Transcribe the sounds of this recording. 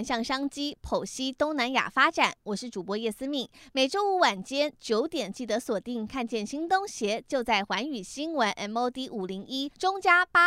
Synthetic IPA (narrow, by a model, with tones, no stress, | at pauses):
nɕjɑ˥˩ŋʂɑ˥ŋt͡ɕi˥pʰo˨˩ʊɕi˥t̪ʊ˥ŋna˧˥nja̰˨˩fa˥ʈ͡ʂa˨˩˦nwɔ˨˩ʂɻ̩˥˩ʈ͡ʂu˨˩pwɔ˧˥jɛ˥˩sɹ̩˥mi˥˩ŋme˨˩ɪʈ͡ʂo˥ʊu˥˩wa˥˩nt͡ɕjɛ˥nt͡ɕjo˧˥ʊt̪jɛ˨˩nt͡ɕi˥˩t̪ɤ˧˥swɔ˨˩t̪i˥˩ŋkʰa˥˧nt͡ɕjɛ˥˩nɕi˥ŋt̪ʊ˥ŋɕjɛ˧˥t͡ɕjo˥˧ʊt͡sa˥˩ɪxwa˧˥ny˨˩ɕi˥nwə˧˥nʔɛ˥no˥ʊt̪i˥ʔu˨˩li˧˥ŋi˥ʈ͡ʂʊ˥ŋt͡ɕja˥pa˥